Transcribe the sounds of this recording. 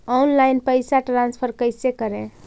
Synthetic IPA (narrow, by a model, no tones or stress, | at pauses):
ɔnlajnpəjsaʈɾanspʰəɾkəjsekəɾẽ